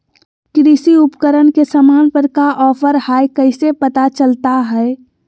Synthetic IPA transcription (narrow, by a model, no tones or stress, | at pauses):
kɾisiupkəɾənkesəmanpəɾkaʔɔːpʰəɾhajkəɪsepət̪at͡ʃəlt̪aɦɛ